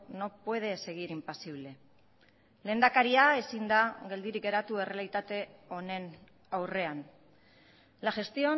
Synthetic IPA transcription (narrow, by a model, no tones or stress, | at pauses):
no̞pwe̞ð̞e̞se̞ɣ̞iɾimpasiβle̞ | le̞ːnd̪akaɾiaesind̪aɣe̞ld̪iɾik̚ɡe̞ɾat̪ue̞re̞alit̪at̪e̞o̞ne̞n | awre̞an | laʝe̞st̪io̞